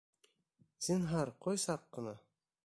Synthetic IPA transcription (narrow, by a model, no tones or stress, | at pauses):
sinɦɑɾqojsɑqːɤ̆nɑ